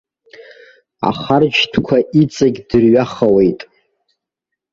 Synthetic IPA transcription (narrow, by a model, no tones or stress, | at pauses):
a̰χard͡ʒtʰkʷʰaʔit͡sʼaɡʲdɨrɥaχawejtʼ